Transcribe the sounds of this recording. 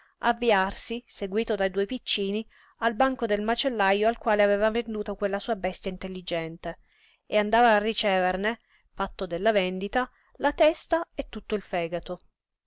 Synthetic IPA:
avːiarsiseɡwiːt̪od̪ajd̪uːjpit͡ʃːiːni | albaŋkod̪elmat͡ʃelːajoalkwaːleavɛːvavend̪uːt̪okwelːasuːabɛst̪jaint̪elːid͡ʒɛnt̪e | eand̪aːvaːrːit͡ʃɛːverne | fat̪ːod̪elːavɛnd̪it̪a | lat̪ɛst̪aet̪ːut̪ːoilfɛːɡat̪o

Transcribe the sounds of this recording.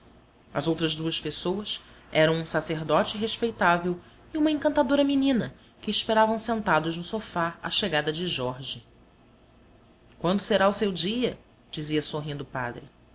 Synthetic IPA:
ɐzowt̪ɾɐzd̪uɐspesowɐs | ɛɾɐ̃w̃ũsaseɦd̪ɔt͡ʃɪɦeʃpejt̪avew | iũmɐẽŋkɐ̃nt̪ad̪oɾɐminĩnɐ | kɪːʃpeɾavɐ̃w̃sẽnt̪ad̪ʊʒnʊsofaɐ̰ʃeɡad̪ɐd͡ʒɪʒɔɾʒi | kwɐ̃nd̪ʊseɾausewd͡ʒiɐ | d͡ʒiziɐsoɦĩnd̪ʊpa̰d̪ɾɪ̰

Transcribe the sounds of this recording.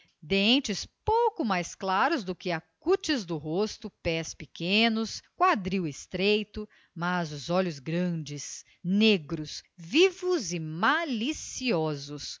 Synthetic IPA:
d̪ẽt͡ʃɪspowkʊmajsklaɾʊzd̪ʊkɪakut͡ʃɪzd̪ʊɦost̪ʊpɛspikẽnʊskwad̪ɾiwɪst̪ɾejt̪ʊ | mazʊzɔlʊzɡɾɐ̃d͡ʒɪs | neɡɾʊsvivʊzɪmalisiɔzʊs

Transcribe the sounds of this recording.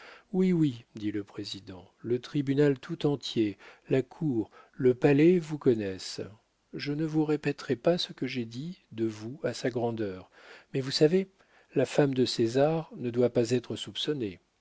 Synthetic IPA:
wiwid̪iləpχezid̪ɑ̃ | lət̪χibynalt̪ʰut̪ɑ̃t̪jelakʰuːʁ | ləpalɛvukɔnɛs | ʒənəvuʁepɛt̪χɛpasəkəʒed̪id̪əvuasaɡʁɑ̃d̪œːʁ | mɛvusave | lafamd̪əsezaʁnəd̪wapazɛt̪χəsupsɔne

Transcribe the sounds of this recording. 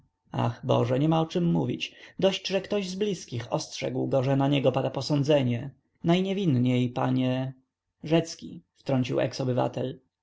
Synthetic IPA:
a̰xbɔ̰ʐɛɲɛmaɔt͡ʂɘmːuvʲit͡ɕd̪ɔɕt͡ɕʐɛkt̪ɔʑzblʲiskʲixɔstʂɛ̰ɡwɡɔʐɛnaɲɛɡɔpad̪apɔsɔnd̪zɛɲɛ | najɲɛvʲinɲejpa̰ɲɛ | ʐɛt̪skʲḭft̪ɾɔɲt͡ɕiwʔɛ̰ksɔbɘva̰t̪ɛl

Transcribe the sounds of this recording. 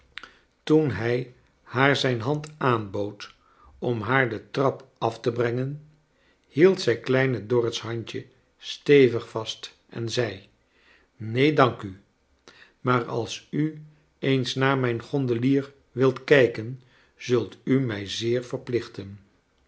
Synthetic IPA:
tunɦɛj | haːɹzɛjnɦɑntaːnbowt | ɔmɦaːɹdətrɑpɑftəbrɛŋən | hilˠtsɛjklɛjnədʊɹətsɦɑɲcə | stejvəχfɑst | ɛ̰nzɛj | nejdɑŋky | maːɹɑ̰lˠsy | ejnsnaːɹmɛjnχɔndəliːɹ | ʋɪlˠtkɛjkən | z̥ɵlˠtymɛjzɪːɹvəɹplɪχtən

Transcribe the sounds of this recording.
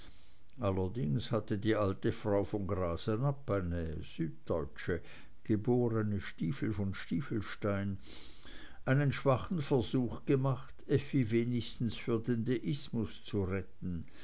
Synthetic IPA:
ʔalːɐdɪŋshatədiːʔaltəfʁ̥aʊfɔnɡʁaːshɛnapːaɪnəz̥yːt̚d̥ɔʏt͡ʃə | ɡ̥əboːʁənəʃtiːfl̩fɔnʃtiːfl̩ʃtaɪn | ʔaɪnənʃv̥aχn̩fɛɐzuːxɡ̥əmaχtɛfiveːnɪçstn̩sfyːɐdendeʔɪsmʊst͡suʁɛtn̩

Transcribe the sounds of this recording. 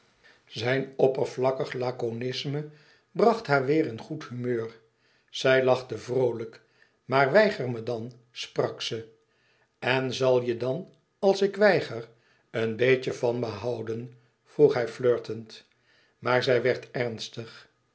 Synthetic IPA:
zɛjnɔpəɹvlɑkəχlaːkonɪsmə | brɑχtɦaːɹʋɪːɾənχuthymøːr | z̥ɛjlɑχtəvrowlək | maːɹʋɛjχərmədɑn | sprɑksə | ɛnzɑlˠjədɑn | ɑlˠsɪkʋɛjχər | ənbejcəvɑnməɦɑwdən | v̥ruχɦɛjfløːɹtənt | maːɹzɛjʋɛɹtɛrnstəχ

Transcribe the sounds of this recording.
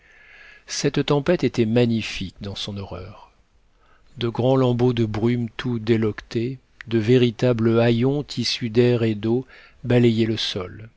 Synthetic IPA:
sɛt̪t̪ɑ̃pɛt̪et̪ɛmaɲifikd̪ɑ̃sɔ̃nɔʁœːʁ | d̪əɡʁɑ̃lɑ̃bod̪əbʁymt̪ʰud̪elɔkt̪e | d̪əveʁit̪abləajɔ̃t̪ʰisyd̪ɛʁed̪o | balejɛləsɔl

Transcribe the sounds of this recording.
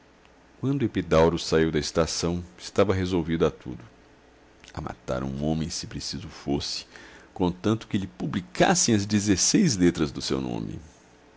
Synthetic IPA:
kwɐ̃nd̪ʊepid̪awɾʊsaiwd̪ɐɪst̪asɐ̃w̃ɪst̪avɐɦezowvid̪ʊat̪ṵd̪ʊ | ɐ̰ma̰t̪a̰ɾṵ̃õmẽj̃sɪpɾesizʊfosɪ̥kõt̪ɐ̃nt̪ʊ̥kɪlɪpublika̰sẽj̃ɐzd͡ʒ̪ezesejzlet̪ɾɐzd̪ʊsḛwnõ̰mɪ̰

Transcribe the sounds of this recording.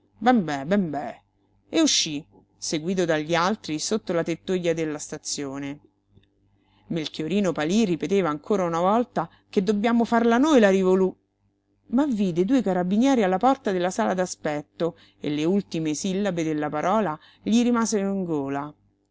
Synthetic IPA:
bɛmbɛbɛmbɛ | euʃːi | seɡwiːt̪̬od̪aʎːialt̪ɾisot̪ːolat̪et̪ːujːad̪elːast̪at̪sːjoːne | melkjoɾiːnopaliripet̪eːvaːŋkʰoːɾaunavɔlt̪a | ked̪ːobjaːmofarlanojlaɾivolu | mavːiːd̪ed̪uːekaɾabːinjɛːɾialːapɔrt̪ad̪elːasaːlad̪aspɛt̪ːo | ḛlːeult̪imesilːabed̪elːapaɾʔɔːla | ʎiɾimaːzeɾoiŋɡoːla

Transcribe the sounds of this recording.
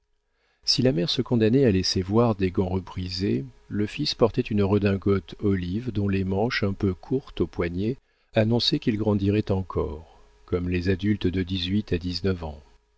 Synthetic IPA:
silamɛʁsəkɔ̃d̪anɛalɛsevwaʁd̪eɡɑ̃ʁəpʁize | ləfispɔʁt̪ɛt̪ynʁəd̪ɛ̃ɡɔt̪ɔlivd̪ɔ̃lemɑ̃ʃɛ̃pøkʰuʁt̪opwaɲje | anɔ̃sɛkʲilɡʁɑ̃d̪iʁɛt̪ɑ̃kʰɔ̰ʁ | kɔmlezad̪ylt̪d̪əd̪izɥit̪ad̪iznəvɑ̰̃

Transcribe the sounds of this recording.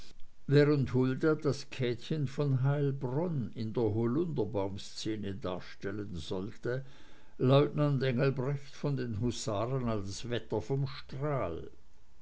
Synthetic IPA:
vɛːʁənthʊldad̥askʰɛːtçənfɔnɦaɪlbʁɔnɪndeːɐɦolʊndɐbaʊmst͡seːnəda̰ːɐʃtɛlənzɔltə | lɔʊtnandɛŋəl̩bʁɛçtfɔndeːnɦusaːʁənalsvɛtɐfɔmʃtʁ̥aːl

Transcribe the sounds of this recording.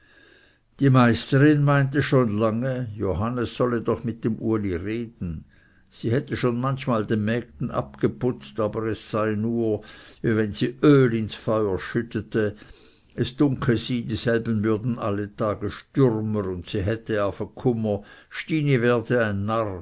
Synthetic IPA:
d̥iːmaɪstəʁɪnmaɪntəʃoːnlaŋəjoɦanəsːɔlədɔχmɪt̚d̥emʔṵːɐliʁeːdn̩ | z̥iːhɛtəʃoːnmançmaːldenmɛːk̚tn̩ʔa̰p̚ɡ̥əpʊt͡staːbəʁɛsːaɪnuːɐvivɛnziːʔøːlɪnsfɔʏɐʃʏtətʰə | ɛsd̥ʊŋkʰəziːdiːz̥ɛlbn̩vʏɐdn̩ʔalətʰaːɡəʃtʏʁmənʊntsiːɦɛtəjaːfɛkʰʊmɐʃtiːnivɛːɐdəaɪnːaʁ

